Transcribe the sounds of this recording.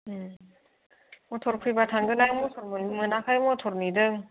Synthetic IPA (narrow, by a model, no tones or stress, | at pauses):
ɯ | mɔtʰoɾpʰɯjbatʰaŋɡɯnajmɔsʰɔɾbɯnimɯnakʰajmɔtʰoɾnidɯŋ